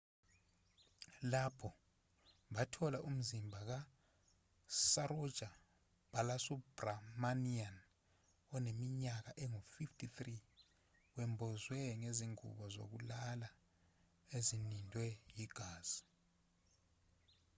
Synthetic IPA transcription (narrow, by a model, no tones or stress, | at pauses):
lapʰɔ | ɓatʰɔlaʔum̩zimbʱak̬a | saɾɔ̥ʒ̥ʱa | b̥ʱalasubramanian | ɔnemiɲak̬aʔɛŋufiftʰʼiθri | wɛmbʱɔzwɛŋeziŋṵɓɔzo̰k̬ulala | ezinindʱwɛjiɡ̥ʱaːz̥i̥